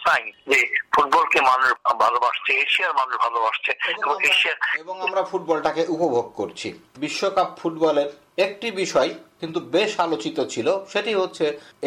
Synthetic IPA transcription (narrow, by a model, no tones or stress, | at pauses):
tajd͡ʑefuʈ̚bɔlkemanuʃbʱalobaʃt͡ɕʰeeʃiaɾmanuʃbʱalobaʃt͡ɕʰeeboŋeʃiaɾeboŋamɾafuʈ̚bɔlʈakeʔupobʱoɡ̚koɾt͡ɕʰḭbiʃːokapfuʈbɔleɾ | ek̚ʈibiʃɔekint̪ubeʃalot͡ɕit̪ot͡ɕʰiloʃeʈiɦotːɕʰe